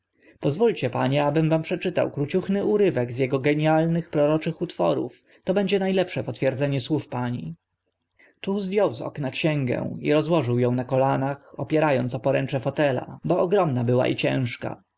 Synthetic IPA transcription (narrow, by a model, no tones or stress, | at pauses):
pɔzvulʲt͡ɕɛpa̰ɲɛabɘmvampʂɛt͡ʂɘt̪a̰wkɾut͡ɕuxnɘuɾɘvɛɡzjɛɡɔɡɛɲjalnɘxpɾɔɾɔt͡ʂɘxut̪fɔ̰ɾṵf | t̪ɔbɛɲd͡ʑɛnajlɛpʂɛpɔt̪fʲjɛɾd̪zɛɲɛswufpaɲḭ | t̪uzd̪ʲjɔwzɔ̰knakɕɛŋɡɛ̰ḭɾɔzwɔʐɘwjɔ̃w̃nakɔlanaxɔpʲjɛɾajɔnt̪sɔpɔɾɛnt͡ʂɛfɔt̪ɛla̰bɔɔɡɾɔmnabɘwa̰ʔḭt͡ɕɛ̰̃w̃ʂka̰